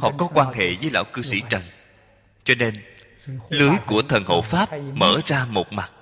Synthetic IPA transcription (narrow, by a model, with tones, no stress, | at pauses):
hɔ̰˨˩kɔ˨˦kwaː˧nɦḛ˧˨zəː˨˦jla̰ː˧˥˩wkɨ˧sḭ˧˩t͡ɕə˨˩n | t͡ɕɔ˧ne˧n | lɨ˨˦əjku˧˩ət̪ʰə˨˩nho̰˧˨faː˦˥p̚məː˧˩zaː˧mo˨˩t̚ma˨˩t̚